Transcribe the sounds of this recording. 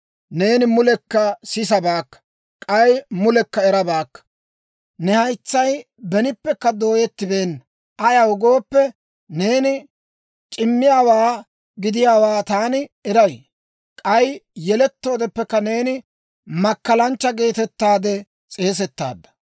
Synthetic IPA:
ne̞ːnɪmʊlɛkːɐsɪsɐbaːkːɐ̥ | kʼɐjmʊlɛkːɐɛɾɐbaːkːɐ̥ | nɛhɐjt͡sːɐj | bɛnɪpːɛkːɐd̪o̞ːjɛt̪ːɪbe̞ːn | ʔɐjɐwʊɡo̞ːpːɛ | ne̞ːnɪ | t͡ʃʼɪmːɪjaːwaː | ɡɪd̪ɪjaːwaːt̪aːnɪɛɾɐj | kʼɐjjɛlɛt̪ːo̞ːd̪ɛpːɛkːɐne̞ːnɪ | mɐkːɐlɐnt͡ʃːɐɡe̞ːt̪ɛt̪ːaːd̪ɛ | t͡sʼe̞ːs̬ɛt̪ːa̰ːd̪ːɐ̥

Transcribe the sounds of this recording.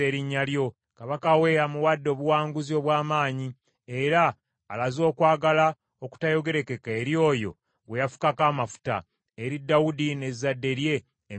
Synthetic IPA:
e̞ːɾiɲːaljo̞ | kaβakawe̞ːɾamuwadːo̞ːβuwaːŋɡuzio̞ːβwaːmaːɲi | e̞ɾaː | lazo̞ːkwaːɡala | o̞ku̥tajo̞ɡe̞ɾe̞ke̞ke̞ːɾjo̞ːjo̞̰ | ɡwejafu̥kakaːmafu̥ta̰ | eɾidːawudine̞zadːe̞ɾje̞ː

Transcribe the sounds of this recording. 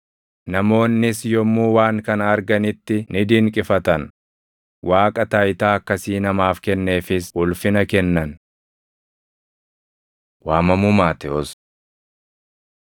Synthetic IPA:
nɐmo̞ːnːɪsjɔmːuːwaːŋkɐnɐɾɡɐnɪt̪ːɪnɪd̪iŋkʼɪfɐt̪ɐn | wʔaːkʼɐt̪aːjt̪aːɐkːɐsiːnɐmaːfkɛnːe̞ːfɪsʊlfɪnɐkɛnːɐn | waːmɐmumaːt̪ɛɔs

